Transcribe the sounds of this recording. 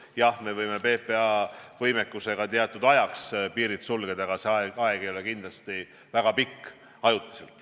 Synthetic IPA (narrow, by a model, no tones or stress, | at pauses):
jɑhme̞vɤjme̞pe̞ːpeɑvɤjmekːˑuse̞ɡ̥ɑt̪iɑt̪ːˑud̪ɑjɑkspiːɾit̪sulɡ̥ed̪̥ɑɡ̥ɑseɑeɑeɡ̥ejole̞kind̪lɑst̪i | væɡ̥ɑpikː | ɑjut̪ːˑi̥se̞lt̪ˑ